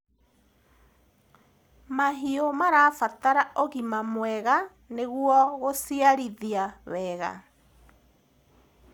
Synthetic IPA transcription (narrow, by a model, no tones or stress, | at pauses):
maɦiomaɾafataɾaʔoɣimamwɛɣa | neɣwɔɣosiaɾiðiawɛːɣa̰